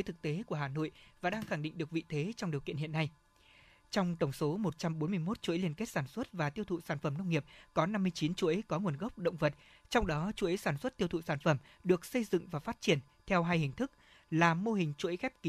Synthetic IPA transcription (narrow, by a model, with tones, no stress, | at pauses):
jt̪ɨ˨˩k̚t̪e˨˦ku˧˩əɦaː˨˩no̰˧˨jvaː˨˩ɗaː˧ŋxa˧˩ŋɗḭ˧˨ŋ̟ɗɨ˨˩ək̚vḭ˧˨t̪ʰe˨˦t͡ɕɔ˧wŋ͡mɗi˨˩əwkḭ˧˨ənɦi˧˨ənːa˧j | t͡ɕɔ˧wŋ͡mt̪ə˧˩wŋ͡mso˨˦mo˨˩t̚t͡ɕa˧mɓo˨˦nmɨ˧əjmo˦˥t̚t͡ɕu˧˨ə˦li˧ənke˦˥t̚saː˧˩nswə˦˥t̚vaː˨˩t̪i˧əwt̪ʰṵ˧˨saː˧˩nfə˧˩mnə˧wŋ͡mŋi˨˩əp̚kɔ˨˦na˧mːɨ˧əjt͡ɕi˨˦nt͡ɕu˧˨ə˨˦jkɔ˨˦ŋu˨˩ənɣə˦˥wk͡p̚ɗə̰˧˨wŋ͡mvə˨˩t̚ | t͡ɕɔ˧wŋ͡mɗɔ˨˦t͡ɕu˧˦ʔi˨˦saː˧˩nswə˦˥t̚t̪i˧əwt̪ʰṵ˧˨saː˧˩nfə˧˩m | ɗɨ˨˩ək̚sə˧jzɨ̰˧˨ŋvaː˨˩faː˦˥t̚t͡ɕi˧˩ən | t̪ʰɛ˧wɦaː˧jhï˨˩ŋ̟t̪ʰɨ˦˥k̚ | laː˨˩mo˧ɦï˨˩ŋ̟t͡ɕu˧ʔə˨˦jxɛ˦˥p̚ki˨˦